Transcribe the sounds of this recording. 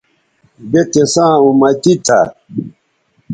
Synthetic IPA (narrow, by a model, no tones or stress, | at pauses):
betesãːũmatit̪a̰